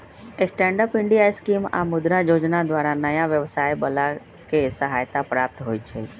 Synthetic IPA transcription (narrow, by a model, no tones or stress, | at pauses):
esʈɛ̃ːɳɖəpɪ̃ɳɖijaːiskiːma̰mʊd̪ɾajoːd͡ʒnad̪waːɾanɐjãʋjəʋsaːjbɐla | kesəɦaːjt̪apɾaːp̚t̪ɦoːit͡ʃʰḛː